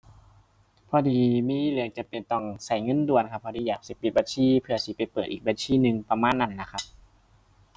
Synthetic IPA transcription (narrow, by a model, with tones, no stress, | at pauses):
pʰɔː˧diː˨˧miː˧˥˨lɯ˧əŋt͡ɕa˧˩pe˨˩nt̪ɔ˧˩ŋsa˧˩jŋɤ˧˥˨ndu˧˩ənkʰa˧pʰːɔː˧˨diː˧˨jaː˨˩k̚si˧˩pi˧˦t̪̚baː˧˦nsiː˧˥˨pʰɯ˧ɐsi˧˦pa˨˩jpɤː˨˩t̪̚ʔiː˨k̚baː˧˦nsʰiː˧˥˨nɯ˧ŋpa˧maː˧˥˨nːa˧˩nːa˧˩kʰa˧˥p̚